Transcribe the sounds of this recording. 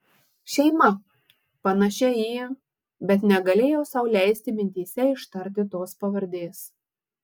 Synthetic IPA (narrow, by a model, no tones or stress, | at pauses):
ʃʲɛɪmɐ | pɐnɐʃʲɛjiː | bʲɛt̪nʲɛɡɐlʲeːjoːsɐʊlʲæɪsʲt̪ʲɪmʲɪnʲt̪ʲiːsʲɛɪʃt̪ɐɾʲt̪ʲɪt̪oːspɐʋɐɾʲd̪ʲeːs